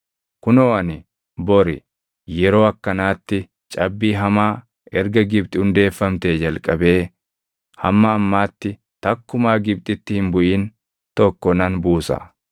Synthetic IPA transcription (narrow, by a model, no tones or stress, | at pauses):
kʊnɔɐnɪ | bɔɾɪ | jɛɾo̞ːɐkːɐnaːt̪ːɪ | t͡ʃʼɐbːiːɦɐmaː | ɛɾɡɐɡɪb̚t̪ʼɪhʊnd̪e̞ːfːɐmt̪eːd͡ʒɐlkʼɐbe̞ː | hɐ̰mːɐːmːaːt̪ːɪ | t̪ɐkːʊmaːɡɪb̚t̪ʼɪt̪ːɪhɪnbʊʔiːn | t̪ɔkːɔnɐnbuːsɐ̰